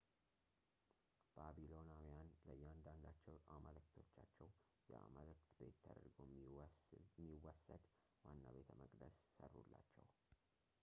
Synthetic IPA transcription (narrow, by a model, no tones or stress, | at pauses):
b̥abilo̞nawjanləjːand̪and̪at͡ʃːɛwʔaməlɨkt̪ʰo̞t͡ʃːat͡ʃːɛw | jɛa̰məlɨkt̪be̞t̪ʰːəd̪əɾɡo̞ | miwɔsəd̪ | wanːaβe̞t̪ʰəməkʼd̪əssərːulːat͡ʃːɛw